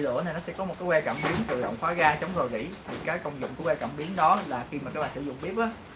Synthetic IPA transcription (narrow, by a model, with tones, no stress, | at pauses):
lɨ̰˧˩əna˨˩jnɔ˨˦sɛ˧˥kɔ˨˦m˨˩t̚kaː˨˦jwɛ˧t͡ɕa̰˧˩mɓi˨˦ənt̪ɨ˨˩ɗɔ̰˧˨wŋ͡mfaː˨˦ɣaː˧t͡ɕə˨˦wŋ͡mzo˨˩jɣḭ˧˥t̪ʰi˨˩kaː˨˦jkə˧wŋ͡mzʊ̰˧˨ŋ͡mkuː˧˨˦wɛ˧ka̰˧˩mɓi˨˦ənɗɔ˨˦laː˨˩xi˧maː˨˩kaː˨˦jɓaː˧˩sɨ˧˩zʊ̰˧˨ŋ͡mɓi˦˥əp̚ʔaː˨˦